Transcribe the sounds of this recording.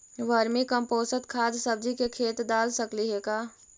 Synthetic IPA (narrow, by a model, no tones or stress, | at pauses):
ʋəɾmikə̃mpoːsət̪kʰaːd̪səb̚d͡ʒikekʰeːt̪d̪aːlsəkliɦekaː